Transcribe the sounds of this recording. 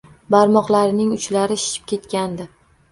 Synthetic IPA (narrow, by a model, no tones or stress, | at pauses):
baɾmɒqlaɾɪnɪŋʊt͡ʃlaɾɪʃɪ̥t͡ʃʰɪ̥p̚kʲʰe̞t̪kʲand̪ɪ